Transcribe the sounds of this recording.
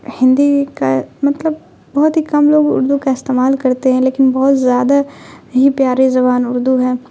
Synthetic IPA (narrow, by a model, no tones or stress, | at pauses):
hɪ̃nd̪ikamɐt̪ləb | bɐɦʊt̪ɦikɐmloːɡʊ̰ɾd̪ukaɪst̪eːmaːlkɐɾt̪eɦɛ̃leːkɪnbɔɦʊt̪zjaːd̪aɦipjaːɾezɐbaːnʊɾd̪uɦɛː